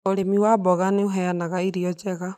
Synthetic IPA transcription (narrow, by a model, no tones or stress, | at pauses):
oɾemiwabɔɣaneoɦɛanaɣaiɾiɔd͡ʒɛɣa